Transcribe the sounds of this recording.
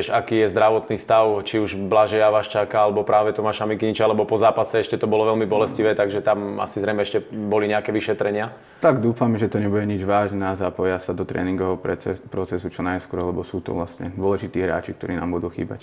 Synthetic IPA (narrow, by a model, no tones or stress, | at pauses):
ɛʒakiːjɛzd̪ɾaʋɔt̪niːst̪aʊt͡ʃiuʒblaʒɛaʋaːʃt͡ʃakaalɛbɔpɾaːʋɛt̪ɔmaːʃamikiɲit͡ʃalɛbɔpɔzaːpasɛɛʃcɛt̪ɔbɔlɔʋɛlmibɔlɛsciʋɛːt̪aɡʒɛt̪ama̰sizɾɛjmɛɛʃcɛbɔliɲɛakɛːʋiʃɛt̪ɾɛɲɪa | t̪aɡd̪uːfamʒɛt̪ɔɲɛbuɟɛɲid͡ʒʋaːʒnɛazapɔjasad̪ɔt̪ɾɛ̰ːniŋɡɔɦɔpɾɔt͡sɛsut͡ʃɔnajskɔɾlɛbɔsuːt̪ɔ̰ʋlast̪ɲɛ̰d̪ʋɔlɛʒit̪iːɦɾa̰ːt͡ʃikt̪ɔɾiːnaːmbud̪uːxḭːba̰c